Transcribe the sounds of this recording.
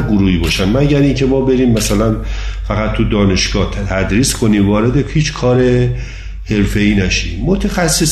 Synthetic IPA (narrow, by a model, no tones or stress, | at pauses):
ɡoɾuːhiːbɒːʃænmæɟæɾiːŋcʰe̞mɒːbe̞ɾiːmːæsælænfæɣæt̪ʰːud̪ɒːne̞ʃɡ̥ɒːht̪t̪ʰæd̪ɾiːskʰo̞niːmvɒːɾe̞d̪ehiːt͡ʃʰkʰɒːɾe̞ | he̞ɾfe̞iːnæʃḭːmːot̪ʰexæsːes